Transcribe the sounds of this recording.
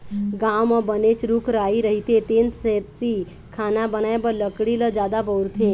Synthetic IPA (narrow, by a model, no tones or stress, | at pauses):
ɡawmãbənet͡ʃɾukʰɾaiɾəɦit̪et̪enset̪ːi | kʰanabənaebələkɽiləd͡ʒad̪abəwɾt̪ʰe